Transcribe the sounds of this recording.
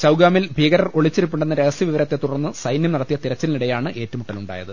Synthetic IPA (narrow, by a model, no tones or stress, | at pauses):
t͡ɕɐwɡaːmilbʱiːɡɐɾɐro̞ɭit͡ɕːiɾupːuɳɖenːɐɾeɣɐsiʋiʋɐɾɐt̪ːe̞t̪ːuɽɐrnːɨsɐjnjɐmnɐɽɐt̪ːijɐt̪iɾɐt͡ɕːɐliniɽɐjaːɳɨʔe̞ːtːumuʈːɐluɳɖa̰ːjɐ̰ðɨ